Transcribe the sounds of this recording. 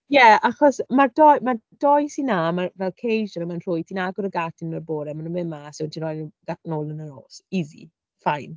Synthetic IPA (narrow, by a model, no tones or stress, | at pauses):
jɛaχɔsmardɔjmad̥ɔjsinamavɛlˠkʰejʒənəmanr̥ʊjtʰinaɡʊɾəɡatʰɪnmərboːɾɛmanunmɪmasɔwntʰinrɔjɡ̥atnoːlˠənəno̰ːsizḭ | fajn